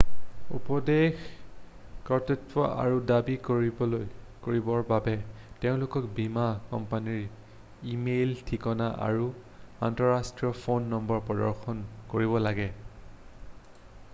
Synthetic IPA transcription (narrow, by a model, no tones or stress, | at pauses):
ṵpɔdex | kɔtutwɔ̰ʔa̰ɹudabik | koɹibɔɹbabɛteʊ̃lʊkɔkbimakɔ̰mpaniɹ | imeltʰikɔnaʔa̰ɹu | a̰ntɔɹastɹiɔpʰonːɔmbɔɹpɹɔdɔɹxɔnkoɹibɔlaɡɛ